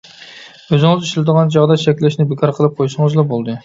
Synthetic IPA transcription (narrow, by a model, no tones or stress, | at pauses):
øzɪŋɪziʃlʲɪd̪əʁɑnd͡ʒɑʁd̪ɑʃʰɛkʲlɪʃnɪbɪkʰɑɾqʰəlˠɨp̚qʰojʃɨŋɨzlˠɑbolˠd̪ɨ